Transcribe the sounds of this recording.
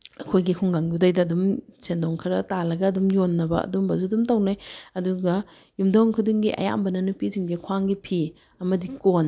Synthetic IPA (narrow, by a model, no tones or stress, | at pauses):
ɐkʰojɡikʰuŋɡaŋjudajdɐːdumsendoŋkʰɐɾɐtalɐɡɐːdumjonːɐbɐ̰ɐ̰dumbɐzudumtɐwnajɐduɡɐ | jumdɐwŋkʰudiŋɡiʔɐ̰ja̰mbɐnɐnupiziŋdikʰwaŋɡipʰi | ɐmɐdikon